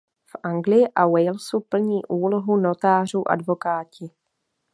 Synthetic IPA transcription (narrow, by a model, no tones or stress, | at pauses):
fʔaŋɡlɪjɪʔawɛjlsupl̩ɲiːʔuːlo̞ɦuno̞t̪aːr̝uːʔa̰dvo̞kaːcɪ